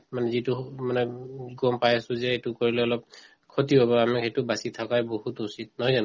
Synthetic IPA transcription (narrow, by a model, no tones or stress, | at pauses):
manɛzitumanɛɡɔmpajasʊ̃zɛetukoɹilɛɔlɔp̚ | kʰɔtiobɔamɛetubasit̪ʰakajbohutusit̚nɔɦɔjzan